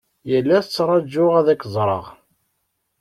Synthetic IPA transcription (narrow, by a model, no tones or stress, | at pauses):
jəlːæθət͡sːɾˤɑd͡ʒːʊʁæðækːzˤɾˤə̰ʁ